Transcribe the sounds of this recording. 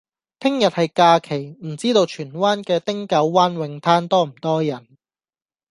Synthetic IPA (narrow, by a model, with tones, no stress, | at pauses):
t̪ʰɪ˥ŋjɐ˨t̚hɐ˨jkaː˧kʰe˨˩jm̩˨˩t͡siː˥t̪o˧wt͡ʃʰyː˨˩nwaː˥nkɛː˧t̪ɪ˥ŋkɐ˨˥wːaː˥nwɪ˨˧ŋt̪ʰaː˥nt̪ɔː˥m̩˨˩t̪ɔː˥jɐ˨˩n